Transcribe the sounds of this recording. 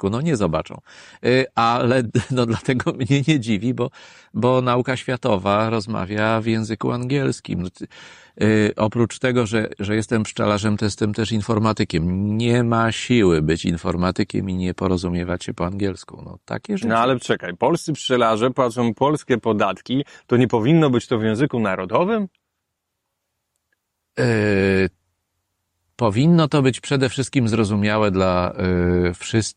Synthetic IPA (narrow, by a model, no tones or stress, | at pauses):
kunɔɲɛzɔba̰t͡ʂɔ̰̃w̃ | alɛnɔd̪lat̪ɛɡɔmɲɛɲɛd͡ʑivʲibɔ | bɔnaukaɕfʲjat̪ɔvaɾɔzma̰vʲjavjɛ̃w̃zɘkṵaŋɡʲjɛlskʲḭmnɔ | ʔɔpɾut͡ʂt̪ɛɡɔʐɛʐɛjɛst̪ɛmpʂt͡ʂa̰laʐɛmt̪ɔjɛst̪ɛmt̪ɛʂinfɔɾmat̪ɘkʲɛmɲɛmaɕiwɘbɘt͡ɕḭnfɔɾmat̪ɘkʲɛ̰miɲɛpɔɾɔzumʲjɛvat͡ɕɕɛpɔaŋɡʲjɛlskṵnɔ̰t̪a̰kʲɛʐɛnalɛt͡ʂɛkajpɔlst̪sɘpʂt͡ʂɛlaʐɛpwatʂɔ̃w̃pɔlskʲɛpɔd̪at̪kʲit̪ɔɲɛpɔvʲinːɔbɘt͡ɕt̪ɔvjɛ̃w̃zɘkunaɾɔd̪ɔvɘm | pɔvʲinːɔt̪ɔbɘt͡ɕpʂɛd̪ɛfʂɘst̪̚kʲimzɾɔzumʲjawɛd̪la | fʂɘst̪